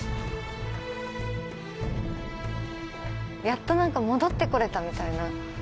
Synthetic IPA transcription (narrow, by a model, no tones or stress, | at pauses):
jat̪ːo̞nãŋkamo̞d̪o̞t̪ːe̞ko̞ɾe̞t̪amʲit̪aina